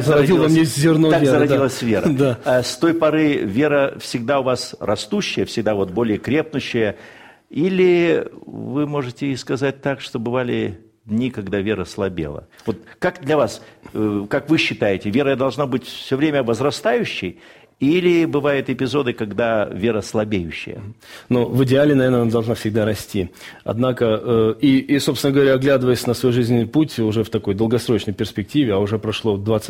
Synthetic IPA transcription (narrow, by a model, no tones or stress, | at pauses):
zəɾɐɐilˠlˠmnʲezʲɪrnot̪azəɾɐdilˠəsʲvʲeɾəd̪ast̪o̞jpɐɾɨvʲe̞ɾəfsʲɪɡd̪aʊvasrɐst̪uɕːɪjəfsʲɪɡ̚d̪avo̞t̪̚bo̞lʲɪjəkɾʲe̞p̚nʊɕːɪjə | ilʲɪ | vɨmo̞ʐɨtʲɪiskɐzat̚ʲt̪akʂt̪obɨvalʲɪ | d̪ʲnʲikɐɡd̪avʲe̞ɾəslˠɐbʲḛlˠə̰vo̞t̪kakd̪lʲɐvaskakvɨɕːɪt̪ajɪtʲɪvʲe̞ɾəəd̪ɐlˠʐnabɨtʲfsʲɵvɾʲemʲəvəzɾɐst̪ajʉɕːɪj | ilʲɪbɨvajʊt̪ɪpʲɪzo̞d̪ɨkɐɡd̪avʲe̞ɾəslˠɐbʲejʉɕːɪ̰jə̰novɨdʲɪalʲɪnɐvʲernəd̪ɐlˠʐnafsʲɪɡ̚d̪aɾɐsʲtʲiɐ̰d̪nakəəiːsopsʲɪnəɡəvɐɾʲaːɡlʲad̪ɨvəjəsʲnəsvɐjuʐɨzʲnʲɪnɨjputʲʊʐɛft̪ɐko̞jd̪əlˠɡɐsɾo̞t͡ɕnəjpʲɪrsʲpʲɪk̚tʲivʲɪaʊʐɛpɾɐʂlˠod̪vat̪s